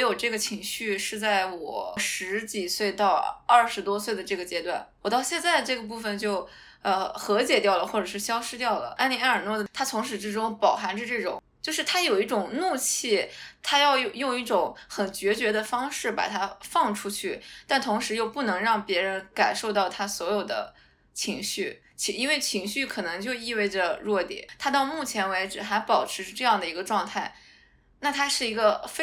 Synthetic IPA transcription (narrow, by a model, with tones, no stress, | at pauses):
jo˨˩ʊʈ͡ʂɤ˥˩ɡə˩t͡ɕʰi˧˥ŋɕy˥˧ʂɻ̩˥˧t͡sa˥˩ɪwɔ̰˨˩˦ʂɻ̩˧˥t͡ɕi˨˩swe˥˧ɪt̪ɑ˥˧ʊɐ˥˩ʂɻ̩˧˥t̪wɔ˥s̬we˥˩ɪd̪ə˩ʈ͡ʂɤ˥˩ɡə˩t͡ɕjɛ˥t̪wa˥˩nwɔ˨˩t̪ɑ˥˧ʊɕjɛ˥˧nt͡sa˥˧ɪʈ͡ʂɤ˥˩ɡə˩p̬u˥˩fə˩nt͡ɕjo˥˧ʊ | ə˧xɤ˧˥t͡ɕjɛ˨˩t̪jɑ˥˩ʊlə˩xwɔ˥˩ʈ͡ʂɤ˨˩ʂɻ̩˥˩ɕjɑ˥ʊʂɻ̩˥t̪jɑ˥˩ʊlə̰˩ʔa˥nli˧˥a˥˩ə˞˨˩nwɔ˥˩d̪ə˩t̪ʰa˥t͡sʰʊ˧˥ŋʂ̬ɻ̩˧˥ʈ͡ʂɻ̩˥ʈ͡ʂʊ˥ŋpɑ˨˩ʊxa˧˥nʈ͡ʂə˧ʈ͡ʂɤ˥˩ʈ͡ʂʊ̰˨˩˦ŋt͡ɕjo˥˧ʊʂɻ̩˥˧t̪ʰa˥jo˨˩ʊi˥˩ʈ͡ʂʊ˨˩ŋnu˥˧t͡ɕʰi˥˩t̪ʰa˥jɑ˥˧ʊjjʊ˥˧ŋi˥˩ʈ͡ʂʊ˨˧˥ŋxə˨˩nt͡ɕɥɛ˧˥t͡ɕɥɛ˧˥d̪ə˧fɑ˥ŋʂɻ̩˥˩pa̰˨˩t̪ʰa˥fɑ˥˩ŋʈ͡ʂʰu˥t͡ɕʰy˥˩t̪a˥˩nt̪ʰʊ˧˥ŋʂɻ̩˧˥jo˥˧ʊpu˥˩nɤ˧˥ŋɻɑ˥˩ŋpjɛ˧˥ɻə˧˥nka˨˩nʂo˥˧ʊt̪ɑ˥˩ʊt̪ʰa˥swɔ˧˥jo˨˩ʊd̪ə̰˦ | t͡ɕʰi˧˥ŋɕy˥˩ | t͡ɕʰi˧˥i˥nwe˥˩ɪt͡ɕʰi˧˥ŋɕy˥˩kʰɤ˨˩nɤ˧˥ŋt͡ɕjo˥˧ʊi˥˧we˥˩ɪʈ͡ʂə˩ɻwɔ˥˩t̪jɛ̰˨˩˦t̪ʰa˥t̪ɑ˥˧ʊmu˥˩t͡ɕʰjɛ˧˥nwe˧˥ɪʈ͡ʂɻ̩˨˩xa˧˥ɪpɑ˨˩ʊʈ͡ʂʰɻ̩˧˥ʈ͡ʂɤ˥˧jɑ˥˩ŋd̪ə˩i˧˥ɡə˧ʈ͡ʂwɑ˥˧ŋt̪ʰa˥˩ɪ | na˥˩t̪ʰa˥ʂɻ̩˥˩i˧˥ɡə˧f